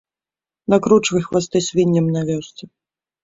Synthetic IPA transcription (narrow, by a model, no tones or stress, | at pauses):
nakɾut͡ʂvɨjxvast̪ɛsʲvʲinʲːɛmnavʲɔst̪sɐ